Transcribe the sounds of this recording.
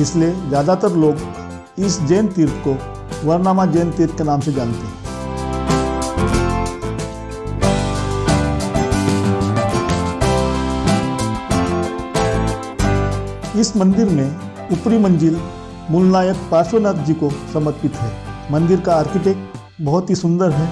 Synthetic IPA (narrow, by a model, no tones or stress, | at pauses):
ɪslied͡ʒjaːd̪at̪əɾloːɡ | ɪsd͡ʒeːnt̪ɪɾt̪ko | ʋəɾnaːmad͡ʒeːnt̪iɾt̪kenaːmsed͡ʒaːnt̪eɦɛ̃ | ɪsmə̃nd̪ɪɾmẽ | ʊpɾimə̃nd͡ʒɪl | mʊlnaːjək̚paːʃwənət̪ʰd͡ʒikosɐməɾpɪt̪ɦɛːmɐ̃nd̪ɪɾkaaːɾkɪʈeːkʈ | bɐɦʊt̪ɦisʊ̃nd̪əɾɦɛː